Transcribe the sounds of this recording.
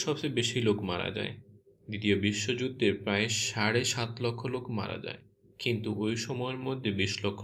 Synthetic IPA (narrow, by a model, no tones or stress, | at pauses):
ʃɔbt͡ɕebeʃilokmaɾa̰d͡ʑa̰e | d̪it̪iobiʃːod͡ʑud̪ːeɾpɾaeʃaɽeʃat̪lɔkʰːolokʰma̰ɾa̰d͡ʑa̰e | kint̪uʔojʃɔmɔeeɾmod̪ʱːebiʃlɔkʰːo